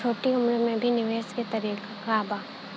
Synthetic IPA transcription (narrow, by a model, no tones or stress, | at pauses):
oːʈiʊmɾmẽbʱinɪʋeːsket̪ɐɾiːk | kaːbaː